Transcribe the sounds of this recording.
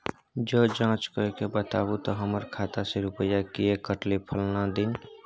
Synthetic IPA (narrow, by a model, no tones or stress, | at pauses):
d͡ʒoːd͡ʒãːt͡ʃkɔekebət̪aːbut̪ɔɦəməɾkʰat̪aseɾupəjakiekəʈlipʰəlnad̪in